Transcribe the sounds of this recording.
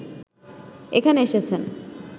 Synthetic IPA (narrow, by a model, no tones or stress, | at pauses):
ekʰaneeʃet͡ɕʰen